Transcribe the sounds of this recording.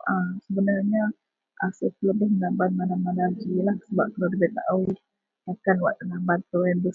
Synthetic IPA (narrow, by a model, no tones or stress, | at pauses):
asəbənarɲa | ʔasət̪ələbɪsmənamban̚manamanad͡ʒilahsəbap̚kəladibet̪a̰ʔawi | akanwaʔt̪ənambant̪oɛnbəs